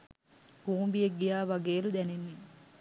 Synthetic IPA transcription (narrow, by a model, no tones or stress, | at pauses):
buːmbijeɡːijaːʋɐɡeːlud̪ɛnenːi